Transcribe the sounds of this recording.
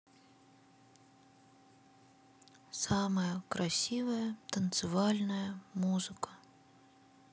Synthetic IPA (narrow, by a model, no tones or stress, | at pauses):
sɑmɐjɐkɾɐsʲivɐjɐt̪ɐnt̪sɨvɑlʲnɐjɐmuzɨkɐ̥